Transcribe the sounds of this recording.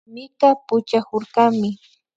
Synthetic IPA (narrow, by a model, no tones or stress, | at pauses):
mɪt̪apʊt͡ʃakoɾɢamɪ